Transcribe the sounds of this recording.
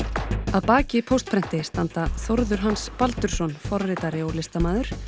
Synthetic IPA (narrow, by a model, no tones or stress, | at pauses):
aðpaːcɪpʰowst̪̚pʰɾɛn̥t̪ɪst̪ant̪aθoɾðʏɾ̥ɦanspalt̪ʏɾ̥sɔnfɔɾrːɪt̪aɾɪɔwlɪst̪amaːðʏɾ̥